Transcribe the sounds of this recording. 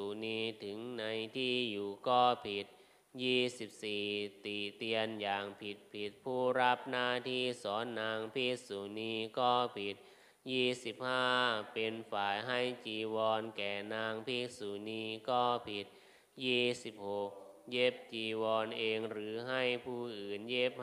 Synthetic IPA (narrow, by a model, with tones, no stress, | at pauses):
u˨˩niː˧t̪ʰɯ˩˦ŋna˧jt̪ʰiː˥˩juː˨˩kɔː˥˩pʰi˨˩t̪̚ | jiː˥˩si˨˩p̚siː˨˩t̪i˨˩t̪i˧ənjaː˨˩ŋpʰi˨˩t̪̚pʰi˨˩t̪̚pʰuː˥˩ɾa˦˥p̚naː˥˩t̪ʰiː˥˩sɔː˩˦nːaː˧ŋpʰiː˦˥˩k̚suː˨˩niː˧kɔː˥˩pʰi˨˩t̪̚ | jiː˥˩si˨˩p̚haː˥˩pe˧nfaː˨˩jɦa˥˩jt͡ɕiː˧wɔː˧nkɛː˨˩naː˧ŋpʰiː˦˥˩k̚suː˨˩niː˧kɔː˥˩pʰi˨˩t̪̚ | jiː˥˩si˨˩p̚ho˨˩k̚je˦˥˩p̚t͡ɕiː˧wɔː˧nʔeː˧ŋɾɯː˩˦ɦa˥˩jpʰuː˧˥˩ʔɯː˨˩njeː˦˥˩p̚